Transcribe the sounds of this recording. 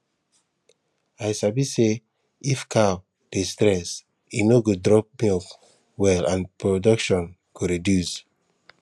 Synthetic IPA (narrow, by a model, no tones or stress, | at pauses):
ajsabise | ifkʰaw | d̥estɾɛs | inoɡodɾɔp̚mik | wɛlãnpɹodɔkʃɔ̃n | ɡ̥oɾedjus